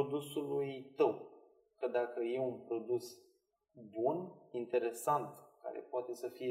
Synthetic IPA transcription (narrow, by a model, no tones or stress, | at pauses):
od̪usulujt̪əw | kəd̪akəje̞unpɾo̞d̪us | bunint̪e̞ɾe̞sant̪ka̰ɾḛpoat̪e̞səfije